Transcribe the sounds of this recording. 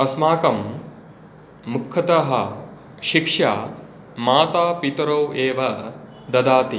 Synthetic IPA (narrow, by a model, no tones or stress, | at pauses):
ɐsmaːkɐm | ukʰːɐt̪ɐɦɐ | ʃikʂaː | maːt̪aːpit̪ɾɐweːʋɐ | d̪ɐd̪aːt̪i